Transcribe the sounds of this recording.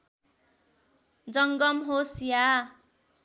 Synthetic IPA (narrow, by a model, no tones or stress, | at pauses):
d͡zʌŋɡʌmɦosja